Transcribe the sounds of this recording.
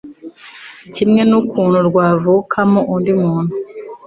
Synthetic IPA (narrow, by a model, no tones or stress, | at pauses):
cimŋe̞nukuːn̤uɾɡwaːvukʰamoʔundimuːnu